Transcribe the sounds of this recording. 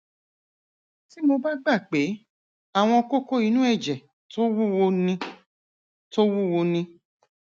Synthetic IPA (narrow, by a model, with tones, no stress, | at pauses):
ti˦mo˧ba˦ɡ͡ba˦˨k͡pe˨˦ | a˦˨w̃ɔ̃˧ko˦ko˦i˧˦nũ˦ɛ˦˨d͡ʒɛ˨ | to˦wu˦wo˧nĩ˧ | to˦wu˦wo˧nĩ˧